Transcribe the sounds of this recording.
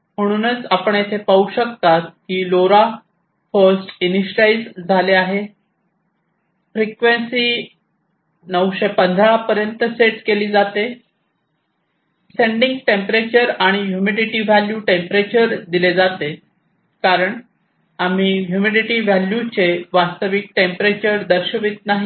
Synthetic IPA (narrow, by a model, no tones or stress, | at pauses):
m̤əɽ̃uːnət͡sapəɳjet̪ʰepauɕək̚t̪at̪̚hiːloɾa | fəɾsʈiniɕɾaid͡zd͡zʱaleaɦe | fɾikʋensiː | nəwɕepənd̪ʱɾapəɾjənt̪əseʈkeliːd͡zat̪e | seɳɖĩŋɡʈempɾet͡ɕəɾaɽ̃iɦjumiɖiʈiːʋæljuʈempɾet͡ɕəɾd̪iled͡zat̪e | kaɾəɳ | am̤iːɦjumiɖiʈiːʋæljut͡ɕeʋast̪əʋik̚ʈempɾet͡ɕəɾd̪əɾɕəʋit̪̚naɦi